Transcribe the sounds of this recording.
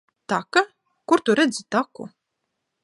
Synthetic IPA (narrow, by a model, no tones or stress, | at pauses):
t̪aka | kuɾt̪uɾɛd̪zit̪akṵ